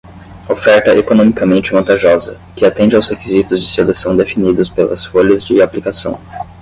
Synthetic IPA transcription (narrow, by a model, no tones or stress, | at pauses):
ofɛɾt̪ɐʔekonõmikɐmẽnt͡ʃɪvɐ̃nt̪aʒɔzɐ | kɪat̪ẽnd͡ʒɪawshekizit̪ʊzd͡ʒɪselesɐ̃w̃d̪efinid̪ʊspelɐ̰sfoʎɐzd͡ʒɪaplikasɐ̰̃w̃